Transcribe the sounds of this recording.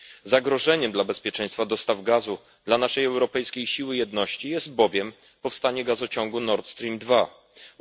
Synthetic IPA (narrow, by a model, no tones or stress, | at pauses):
zaɡɾɔʐɛɲɛmd̪labɛspʲjɛt͡ʂɛ̃j̃st̪fad̪ɔst̪avɡazu | d̪lanaʂɛjɛwɾɔpɛjskʲejɕiwɘjɛd̪nɔɕt͡ɕijɛst̪̚bɔvʲjɛm | pɔfst̪aɲɛɡazɔt͡ɕɔŋɡunɔɾt̪st̪ɾʲimd̪va